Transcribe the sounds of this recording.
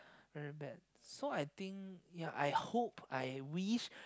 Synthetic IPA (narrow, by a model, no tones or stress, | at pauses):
vɛɹibɛd̚ | soajt̪ĩŋkjaʔa̰jhopʰajwiʃ